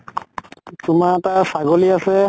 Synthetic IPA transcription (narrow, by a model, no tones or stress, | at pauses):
tʊmatasaɡoliasɛ